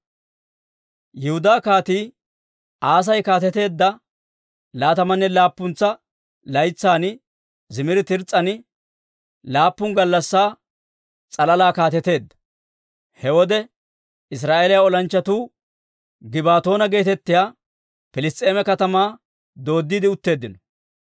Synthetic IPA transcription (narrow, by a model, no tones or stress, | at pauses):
jɪhʊd̪aːkaːt̪iː | ʔaːs̬ɐjkaːt̪̬ɛt̪e̞ːd̪ːɐ | laːt̪ɐmɐnːɛlaːpːʊnt͡sːɐ | lɐjt͡sːaːnɪ | zɪmɪɾɪt̪ɪɾt͡sʼːɐnɪ | laːpːʊŋɡɐlːɐsːaː | t͡sʼɐlɐlaːkaːt̪ɛt̪e̞ːd̪ːɐ̥ | hɛwɔd̪ɛ | ɪs̬ɾaːʔeːlɪjaɔlɐnt͡ʃːɐt̪uː | ɡɪbaːt̪o̞ːnɐɡe̞ːt̪ɛt̪ːɪjaː | fɪlɪst̪ʼe̞ːmɛkɐt̪ɐmaː | d̪o̞ːd̪ːid̪ɪʊt̪ːe̞ːd̪ːɪnɔ